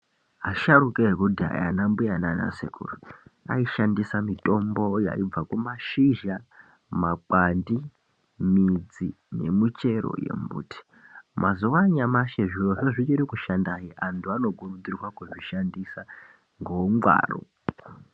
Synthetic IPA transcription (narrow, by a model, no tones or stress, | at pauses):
ɦaʃaɾukeɦekudʱia̰ja̰nambujanana̰sḛkṵːrua̰iʃandisamito̞mbo̞ja̰ib͡vakumaʃiʒa | mak͡pandi | mid͡zi | ne̞̰mut͡ʃe̞ɾo̰je̞̰mbṵːtʰi̥ | mʔazuʋaɲamaʃeʐioʐoʐit͡ʃiɾikuʃandajiʔantʰuano̞ɡurud͡zirwakwuʐiʃandisa | ŋɡoŋwa̰ːro̰